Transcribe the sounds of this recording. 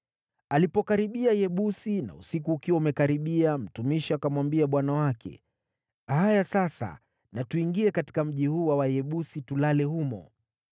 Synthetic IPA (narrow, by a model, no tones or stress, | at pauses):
alipɔkaɾiɓiajɛɓusina̰ṵsikuːkiwaumɛkaɾiɓiam̩tumiʃiakamwambiaɓwanawakʰɛ̰ | hajasasa̰ | natuiŋɡiɛkati̥kam̩ʄihuːwawajɛɓusitulalɛhumɔ̰